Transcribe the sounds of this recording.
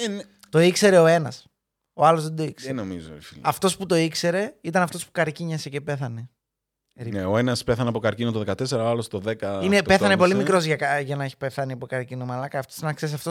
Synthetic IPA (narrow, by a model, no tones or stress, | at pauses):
t̪o̞ikse̞ɾe̞oe̞nɐs | oɐlozðed̪o̞iksenomizo̰ifilɐft̪o̞sput̪o̞ikse̞ɾe̞it̪ɐnɐft̪o̞spukɐɾciɲɐse̞ce̞pe̞θɐne | ɾineo̞e̞nɐspeθɐnɐpo̞kɐɾcinot̪oðekɐt̪e̞seɾɐoɐlost̪o̞ðekɐinepeθɐnepo̞limikɾo̞zʝɐkɐʝɐnɐeçi̥peθɐniɐpokɐɾcinomɐlɐkɐːft̪osinɐksesɐft̪o